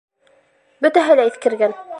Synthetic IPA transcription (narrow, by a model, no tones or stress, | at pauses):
bɵt̪æɦɘlæiθkɘ̆ɾɡæn